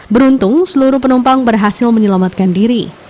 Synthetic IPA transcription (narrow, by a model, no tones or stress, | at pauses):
bəɾunt̪ʊŋsəluɾuhpənumpaŋbərɦasɪlməɲəlamat̪̚kandiɾi